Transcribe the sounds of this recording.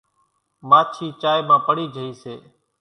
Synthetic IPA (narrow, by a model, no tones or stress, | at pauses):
maːt͡ʃʰiːt͡ʃaːjːmãːpəɽiːd͡ʒʱəiːseː